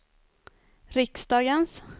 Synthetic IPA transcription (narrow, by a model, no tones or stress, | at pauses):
ɾɪksd̪ɑːɡəns